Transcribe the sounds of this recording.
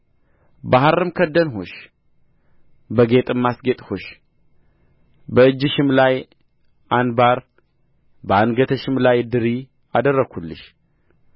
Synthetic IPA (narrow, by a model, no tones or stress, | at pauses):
baɦaɾɨmkʰəd̪ənɦo̰ʃ | bəɡet̪ʼɨmːasɡet̪ʼhoʃ | bəɨd͡ʒːɪʃɪmlaj | ʔanbaɾ | bəanɡət̪ʰəʃɪmlajd̪ɨɾi | ad̪ərːəɡʰulːɨ̰ʃ